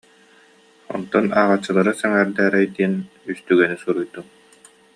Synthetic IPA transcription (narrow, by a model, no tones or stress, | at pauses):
ɔ̰nt̪ɔnaʁat͡ɕːɯlˠaɾɯsɛŋɛɾd̪æːɾɛjd̪iːn | yst̪yɡɛnisuɾujd̪um